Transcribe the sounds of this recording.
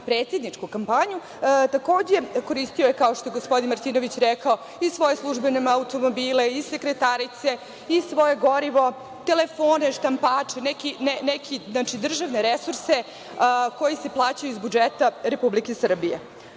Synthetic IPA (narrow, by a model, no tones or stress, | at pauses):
pɾeːt̪sje̞d̪nit͡ʂkukampaɲu | t̪ako̞ːd͡ʑeko̞ɾist̪ijojekaoʃt̪o̞jeɡospo̞d̪inmaɾt̪iːnoʋit͡ɕɾɛkao | isʋo̞jeslˠuʒbenemaut̪o̞mobiːle̞isekɾet̪aɾit̪se̞ | isʋo̞je̞ɡo̞ɾiʋo̞ | t̪e̞lefo̞ːne̞ʃt̪ampaːt͡ʂenɛkinenɛkʰiznat͡ʃid̪r̩ʒaʋne̞ɾesuɾse | ko̞jise̞plˠaːt͡ɕajuizbud͡ʒet̪aɾepublikesr̩bije